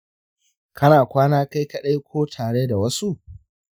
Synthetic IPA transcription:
kʰɐ˦naː˨kʷaː˦naː˦ka˦jkɐ˦ɗɐ˦jkʷoː˦tʰaː˨ɽeː˦da˨wɐ˦su˦ʔ

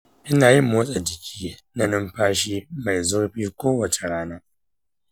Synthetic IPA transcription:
ʔɪ˦naː˨jɪ˦mːoː˦sʼa˨d͡ʒɪ˨kʲʰiː˦nɐ˦nʊ˦mɸaː˦ʃiː˦ma˨jzʊ˦ɾɸiː˦kʷoː˦wɐ˨t͡ʃe˨ɽaː˦naː˦

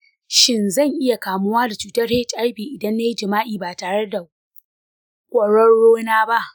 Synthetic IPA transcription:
ʃɪ˦nzɐ˦˨ŋʔɪ˦ja˨kaː˨mʊ˦waː˦da˨t͡ʃuː˨tɐ˦rhe˦˨t͡ʃʼʔa˦ɸiː˨ʔɪ˨dɐ˦nːa˦ji˦d͡ʒɪ˨maː˦ʔiː˨baː˨taː˨ɽe˦da˨ | kʷʼɐ˨ɽɔ˦ɽoː˦naː˦ba˦ʔ

